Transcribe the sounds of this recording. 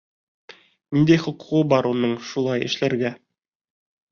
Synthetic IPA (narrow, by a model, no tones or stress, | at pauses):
nind̪æjχŏqu̥ʁɤbɑɾunɤɴʃulˠɑjɘ̰̆ʃlæɾɡæ